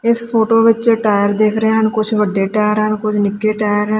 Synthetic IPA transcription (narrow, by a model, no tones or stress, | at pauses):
ɪspʰoːʈoːʋɪt͡ʃʈaːjəɾd̪eːkʰɾəeɦənkʊt͡ʃʰʋəɖːeːʈaːjəɾɦəɳkʊt͡ʃʰnɪkːeːʈaːjəɾ